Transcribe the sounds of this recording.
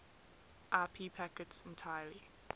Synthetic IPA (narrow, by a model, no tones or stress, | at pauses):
ʔaːpʰiːpʰakətsɛ̃ntʰaɪəli